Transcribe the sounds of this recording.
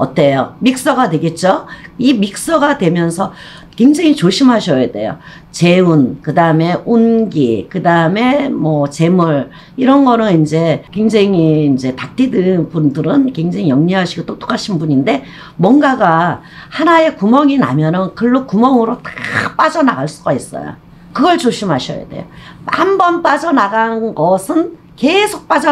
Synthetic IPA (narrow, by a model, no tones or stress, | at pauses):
ʌt͈ejomik̚s͈ʌɡadwe̞ɡe̞t̚t͡ɕ͈oimik̚s͈ʌɡadwe̞mjʌnsʰʌ | ke̞ŋd͡ʑeŋit͡ɕoɕʰimɦaɕʰʌjede̞̰jo̰ | t͡ɕe̞unkɯdaɯme̞ʔunɡikɯdaɯme̞mwʌt͡ɕe̞muɭ | iɾʌnɡʌnɯnind͡ʑe̞kwe̞ŋd͡ʑeŋiːnd͡ʑe̞tak̚t͈ʰidɯnpundɯɾɯnkwe̞ŋd͡ʑeŋijʌŋɲiɦaɕʰiɡot͈ot͈o̥k͈aɕʰinbuɲinde̞ | mwʌŋɡaɡa | hanae̞kumʌŋina̰mjʌnɯnkɯɭːokumʌŋɯɾotḁp͈ad͡ʑʌnaɡaɭs͈uɡais͈ʌ̰jo̰ | kɯɡʌɭt͡ɕoɕʰimɦaɕʰʌ̰ja̰dḛjo | ambʌnp͈ad͡ʑʌnaɡanɯnɡʌsʰɯn | ke̞sʰok̚p͈ad͡ʑʌ